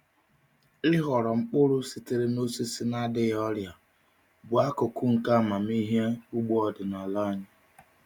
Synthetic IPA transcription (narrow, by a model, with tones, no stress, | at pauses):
ɪ˦ɦɔ˨ɾɔ˨ŋ͡m̩˦k͡pʊ˦ɾʊ˦si˨tɪ˦ɾɪ˦no˦si˦si˦na˦dɪ˦jɔ˦lja˨ | bʊ˨a˦kʊ˨kʊ˦ŋ̩˨ka˦˨ma˨m˦i˦ɦje˦u˦ɡ͡bo˦ɔ˨dɪ˨na˨la˦ɲɪ˨